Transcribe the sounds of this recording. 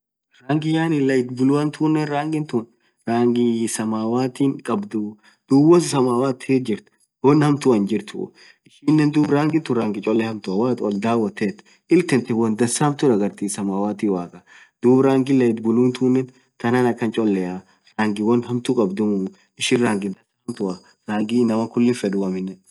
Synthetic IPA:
ɾaːŋɡɪjaːnɪlɐjɪt̪̚bʊlʊwɐnt̪ʰuːnːɛnɾaːŋɡɪnt̪ʊn | ɾaːŋɡɪsɐmaːwaːt̪iːŋkʼɐbd̪ʊ | d̪̥uːwɐsɪsɐmaːwaːt̪ʰed͡ʒɪɾt̪ | wɐnhɐmt̪ʊɐnd͡ʒɪɾt̪ʊ̰ | ʔɪʃiːnːɛnd̪uːbɾaːŋɡɪnt̪ʊɾaːŋɡɪt͡ʃʼɔlːɛhɐmt̪ʊɐwaːt̪ɔld̪aːwːɐt̪ːeːt̪ː | ʔɪlt̪ɛnt̪ɛwɐnd̪ɐsaːmt̪ʊdɐɡɐɾt̪isɐmaːwaːt̪iːwaːkʼɐ | d̪̥uːbɾaːŋɡɪlɐɪt̪bʊluːnt̪uːnːɛn | t̪ɐnaːnɐkːɐnt͡ʃʼɔlːɛʔɐ | ɾaːŋɡɪwɐnhɐmt̪ukʼɐbd̪ʊmʊ | ɪʃɪnɾaːŋɡɪd̪ɐsaːmt̪ʊɐ | ɾaːŋɡinɐmɐkʊlːɪnfɛᶑʊɐmɪnːɛ

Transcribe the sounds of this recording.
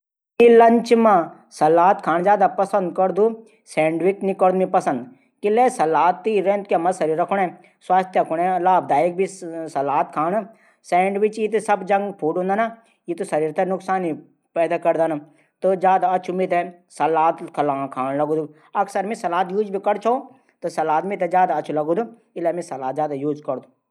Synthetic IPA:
milɐɲt͡ʃmã | sɐlaːt̪kʰaːɳd͡ʒjaːd̪apɐsɐ̃nd̪kɐɾd̪u | sɛ̃ːɳɖʋiknikəɾd̪mĩpɐsɐ̃nd̪ | kilesɐlaːt̪ːiɾẽːnt̪kemɐsɐɾiːɾɐkʰuɳɛ̃ | swaːst̪ʰjɐkʰuɽẽlaːb̚d̪aːik̚bisɐlaːt̪kʰaːn | sɛːɳɖʋit͡ʃit̪sɐbd͡ʒɐ̃ŋɡpʰuːɖɦũːnd̪aːna | jit̪usɐɾiːɾt̪ʰɐnʊksaːni | pɛːd̪akɐɾd̪an | t̪ɨd͡ʒjaːd̪aɐt͡ʃʰumit̪ɛ | sɐlaːt̪kʰɐlãːkʰaːnlɐɡuːd̪u | ɐksɐɾmisɐlaːt̪juːd͡ʒbʱikɐɽt͡ʃʰoː | t̪ɨsɐlaːt̪mit̪ed͡ʒjaːd̪aɐt͡ʃʰulɐɡud̪u | ɪlemisɐlaːt̪̚d͡ʒaːd̪ajuːd͡ʒkɐɾd̪u

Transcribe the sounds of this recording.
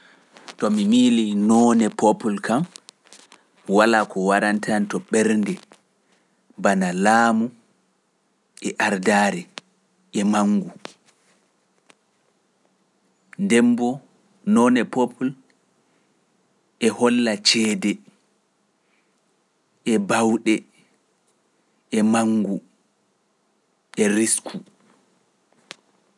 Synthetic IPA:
tɔmimilinɔnɛpopulkam | walakɔwaɾantʰantɔɓɛɾndɛ | banalaːmu | ʔɛʔaɾdaɾɛ | ʔɛmaŋɡu | ndɛmbɔ | nɔnɛpopʰul | ʔɛhɔlːat͡ʃɛːdɛ | ʔɛbawɗɛ | ɛmaŋɡu | ɛɾiskʰu

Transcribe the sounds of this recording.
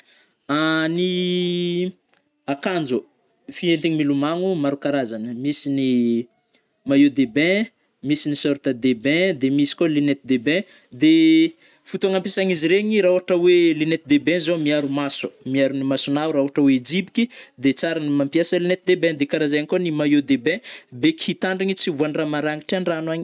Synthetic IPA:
ani | akand͡zo | fient̪iɲimilumaŋumaɾukaɾazanəmisini | majod̪ebɛ̃ | misinisoɾt̪əd̪ebɛ̃d̪emisi̥kolenet̪id̪ebɛ̃ | d̪e | fut̪uaŋampasaŋiziɾeɲiɾaɦuaʈ͡ʂəwelinet̪id̪ebɛ̃zomiaɾumasu̥miaɾunimasunawɾauɦaʈ͡ʂəwed͡ʒipi̥kʲid̪et͡saɾanimampjasəlinet̪id̪ebɛ̃d̪ekaɾazajaŋkonimajod̪ebɛ̃bekihit̪aɳɖ͡ʐiɲit͡sivuanramaɾaŋɡiʈ͡ʂianranaɲi

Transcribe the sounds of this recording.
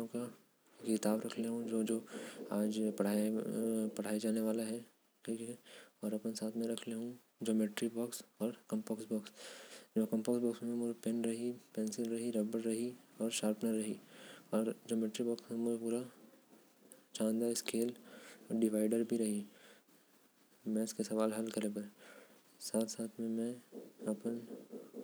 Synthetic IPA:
õka | kɪt̪aːbɾɐkʰleɦũd͡ʒoːd͡ʒoːaːd͡ʒpɐɽ̤aː | pɐɽ̤aːid͡ʒaːneʋaːlaɦɛ | kikiɔːɾɐpnesaːt̪ʰmẽɾɐkʰleɦũ | d͡ʒoːmeːʈɾibɔːksɔːɾkɐ̃mpɔːksbɔːksmɛ̃kɐ̃mpɔːksbɔːksmẽmʊd͡ʒepenɾɐɦipɛ̃ːnsɪlɾɐɦiɾɐbəɾɾɐɦiɔːɾʃaːɾpnəɾɐɦiɔːɾd͡ʒoːmeːʈɾibɔːksɦɛ̃mʊd͡ʒʱepuːɾa | t͡ʃãːnd̪aɪskeːlɔɖɪʋaːɪɖəɾbʱiɾɐɦi | mɛ̃ɪskesɐʋaːlɦɐlkɐlebɐɾɛ | saːt̪ʰsaːt̪ʰmẽmɛ̃ɐpən

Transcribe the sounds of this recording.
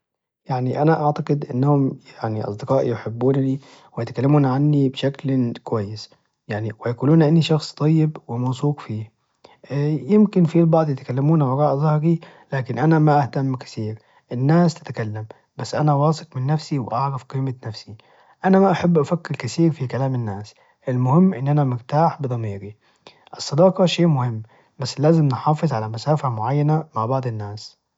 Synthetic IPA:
jaʕniʔanaʔaʕt̪ɑqɪd̪ʔɪnːahʊmjaʕniʔɑ̰sˤd̪ɪqɑːʔijɪħɪbːuːnni | wɪjɪt̪akalːamuːnʕanːibʃaklkwajːɪs | jaʕniwjakuːluːnʔɪnːiʃɑxsˤt̪ˤɑjːɪbwɪmɑwsˤuːqfiː | jɪmkɪnfilbɑʕd̪ˤjɪt̪kalːamuːnawɑɾˤɑːʔzˤɑhɾi | laːkɪnʔanamaʔaht̪amːkḁθiːɾ | ʔɪnːaːst̪ɪ̥t̪akalːam | basːʔanawɑːsˤɨqmɪnːafsiwɪʔɑʕɾɑfqiːmanafsi | ʔanamaʔaħabːʔafakːɪɾkaθiːɾfikalaːmɪnːaːs | ʔɪlmʊhɪmːʔɪnːʔanamɪɾt̪aːħbɨd̪ˤɑmiːɾi | ʔɪsˤːɑd̪ɑːqɑʃeːʔmʊhɪmː | basːlaːzɪmnɪħɑːfɨzˤʕalamasaːfamʊʕajːanamaʕbɑʕd̪ˤɪnːaːs

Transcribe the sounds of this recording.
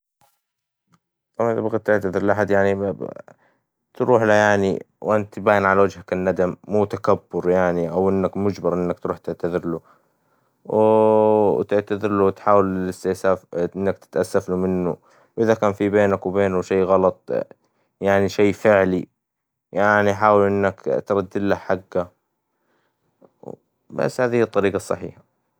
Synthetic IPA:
t̪ˤɑmanʔðabɡaːd̪̚t̪ɪʕt̪aðɪɾlʔaħad̪jaʕni | t̪ɾuːħlajaʕnḭ | wʔɪnt̪baːjɪnʕalawad͡ʒhakɪnːad̪amːuːt̪akabːʊɾjaʕniʔawʔɪnːakmʊd͡ʒbɑɾˤʔɪnːakt̪ɾuːħt̪ɪʕt̪aðɪɾlu | w | t̪ɪʕt̪aðɪɾluwt̪ħaːwɪlɪlɪst̪ɪʔsaːfʔɪnːakt̪ɪ̥t̪ʔasːaflumɪnːṵ | wʔɪðakaːnfibeːnakwbeːnuʃeːɣɑlɑt̪ˤ | jaʕniʃeːfɪʕli | jaʕniħaːwɪlʔɪnːakt̪ɾˤɑd̪ːɪllahħaɡːa | ba̰sːhaːðɪhɪt̪ˤːɑɾiːɡɑsˤːɑ̰ħḭːħḁ

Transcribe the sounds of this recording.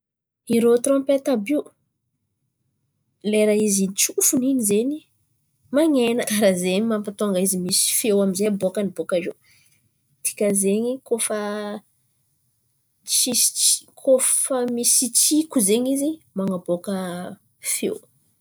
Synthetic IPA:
iɾot̪rɔ̃mpet̪abi | leɾaizinit͡ʃufuninizeni | maɲenəkaɾazeɲimampat̪oŋɡaizimisi̥fewamizebokənibokaʒe | t̪i̥kʲəzeɲikofə | t͡ʃi̥kʰofəmisit͡sikuzeɲizimaŋabokə | fḛw

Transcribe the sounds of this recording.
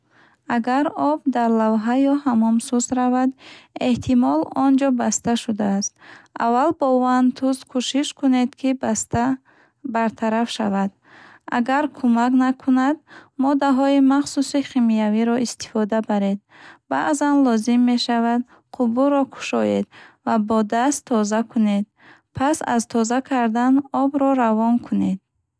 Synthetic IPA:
aɡaɾɔb̚d̪aɾlavɦajɔhamɔmsuzɾavad̪e̞ht̪ʰimɔlɔnd͡ʒɔbast̪aʃud̪aːst̪a̰vːalbɔvant̪ʰuzkʰuʃiʃkʰune̞d̪kʰist̪a | baɾt̪ʰaɾafʃa̰vad̪ | a̰ɡaɾkʰumaknakʰunad̪mɔd̪aɦɔimaχsusiχimijaviɾɔʔist̪i̥fɔd̪abaɾe̞d̪̚ | ba̰ʔzanlɔzimːe̞ʃavad̪ | qʰubuɾɔkʰu̥ʃɔjed̪vabɔd̪ast̪ʰːɔzakʰune̞d̪̚ | pʰasa̰zt̪ʰɔzakʰaɾd̪anɔbɾɔɾavɔnkʰune̞d̪̚

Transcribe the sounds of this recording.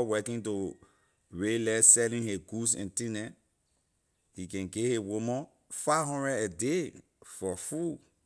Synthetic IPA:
wɛkĩnto | ɹelɛsɛlĩheɡus̬ɛ̰̃ntĩnɛ | hikɛ̃nɡehewomɔ̃ | faɦɔ̃ndɹɛdede | fɔfu

